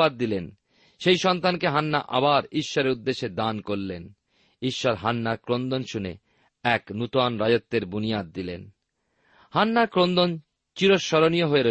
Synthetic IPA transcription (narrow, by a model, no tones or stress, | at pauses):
ad̪̚ːilen | ʃejʃɔnt̪ankeɦanːaʔa̰baɾiʃːɔɾeɾud̪ːeʃed̪ankoɾlen | iʃːɔɾɦanːaɾkɾond̪onʃunḛ | ɛknut̪oanɾajot̪ːeɾbunijad̪̚ːilḛn | hanːakɾond̪on | t͡ɕiɾoʃːɔɾonijoɦoeɾo